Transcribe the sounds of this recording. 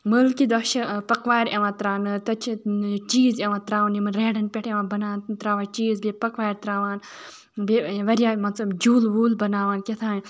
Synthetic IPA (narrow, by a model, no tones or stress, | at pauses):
məlkid̪ɐʃipɐkʋaːjɾeʋãːt̪ɾaːnɨt̪ɐt͡ʃʰit͡ʃiːzeʋãːt̪ɾaːʋunimɐnɾeːɖɐnpʲeʈʰeʋãːbɐnaːnt̪ɾaːʋaːt͡ʃiːzbepɐkʋaːjɾt̪ɾaːʋaːn | beʋɐɾijaːmɐnt͡sɐbd͡ʒuːlʋuːlbɐnaːʋaːnkʲet̪ʰaːn